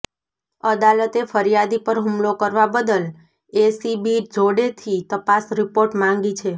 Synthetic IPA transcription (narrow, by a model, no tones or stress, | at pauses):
əd̪alət̪efəɾijad̪ipəɾɦumlokəɾʋabəd̪əl | esibid͡ʒoɽet̪ʰit̪əpasɾipoɾʈmãŋɡit͡ʃʰe